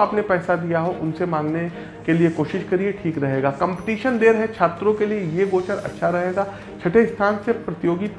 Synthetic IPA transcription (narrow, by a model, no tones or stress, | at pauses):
aaːpnepɛːsad̪ijaɦoʔʊnsemãːŋɡne | keliekoːʃɪʃkɐɾieʈʰiːkɾɐɦeːɡaːkɐ̃mpɪ̥ʈiːʃənd̪eːɾɦɛt͡ʃʰaːt̪ɾõkeliejeɡoːt͡ʃəɾɐ̰tːʃʰaɾɐɦeːɡaː | t͡ʃʰɐʈʰeɪst̪ʰaːnsepɾɐt̪ɪjoːɡip